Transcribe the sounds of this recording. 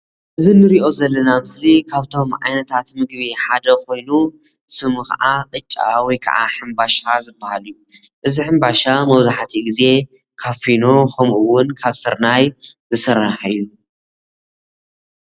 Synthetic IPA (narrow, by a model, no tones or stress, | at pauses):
ʔɨzinɨɾiʔo̞zɐlːɐnamɨslikʰaβt̪ʰo̞mʕa̰jnɐt̪ʰat̪mɨɡβiħad̪ɐkʰo̞jnu | sɨmɨxa̰ʕakʼɨt͡ʃʼːa̰wikʰɐ̰ʕa̰ħɨmbaʃazɨbːahaliju | ʔɨziħɨmbaʃamɐβzaħt̪ʰiɡize̞ | kʰafino̞xʰɐmʔɨwʊnkʰaβsɨɾnajzɨsɨɾːaħɨjːu